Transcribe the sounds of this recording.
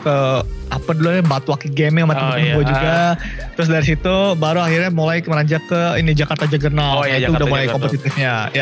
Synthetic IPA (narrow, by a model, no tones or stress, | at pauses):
kəapadulɲabat̪uwakiɡɛmɪŋamat̪abuad͡ʒuɡa | t̪ɾʊs̬daɾis̬it̪ubaɾuahirɲamulajməɾaɲd͡ʒakkəinid͡ʒakart̪ad͡ʒaɡərnaljait̪uːdahmulajkɔmpət̪it̪ɪfɲaja